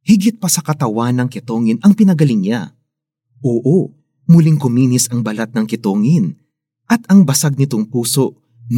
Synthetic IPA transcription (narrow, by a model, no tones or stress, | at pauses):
hɪɡɪt̪̚pɐsɐkɐt̪ɐwanːɐŋkɪt̪o̞ːŋɪnʔɐŋpɪnɐɡɐlɪŋɲa̰ | ʔoːʔo | mulɪŋkʊmiːnɪsɐŋbɐlat̪̚nɐŋkɪt̪o̞ːŋɪn | ʔɐt̪ɐŋbɐsaɡ̚nɪt̪oŋpuːso̞ʔ